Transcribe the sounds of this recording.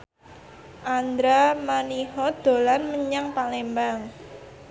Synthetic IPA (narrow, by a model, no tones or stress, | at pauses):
ʔand̪ɾamaniɦɔd̪̥o̤lanməɲaŋpalembaŋ